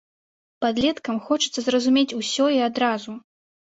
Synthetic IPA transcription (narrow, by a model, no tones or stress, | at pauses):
pad̪lʲɛt̪kɐmxɔt͡ʂɨt̪sɐzrɐzumʲet͡sʲusʲɔiad̪ɾazu